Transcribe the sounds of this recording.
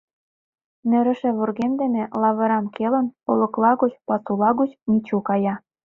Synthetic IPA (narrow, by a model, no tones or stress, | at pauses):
nɘ̆ɾɘ̆ʃĕβurɣemd̪ĕmĕlɑβɤ̆ɾɑmkelə̆nolɤ̆klɑɣot͡ɕpɑsulɑɣut͡ɕmit͡ɕukɑjɑ